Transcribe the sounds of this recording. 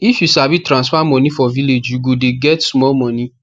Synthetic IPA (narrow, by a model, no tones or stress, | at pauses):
ifjusabitɾãsfamɔ̃nĩfɔviled͡ʒuɡodeɡɛtsmɔmɔ̃nĩ